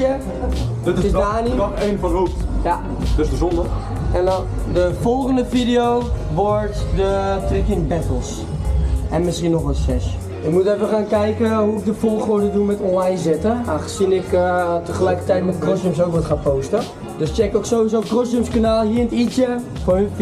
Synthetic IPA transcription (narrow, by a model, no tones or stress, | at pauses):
ə | tɪsdaːnienbəloja | dəsdəzɔndə | ɛndɔn | dəfɔlˠχəndəfidioːʋɔɹtdətrɪkɪnbɛtəlˠs | ɛnmɪsχiənːɔχʋɔtsɛʃ | ɪkmutɛfənχaːnkɛjkəɦuɪk̚dəfɔlˠχoːɹdədumɛtɔnlajnzɪtəaxəsinɪktəχəlɛjkə̥tɛjtmɛtkrɔsjumsoːkʋɔtχaːpowstə | døst͡ʃɛkoksoːizowkrɔsumskanaːlˠhiəntitjə | fon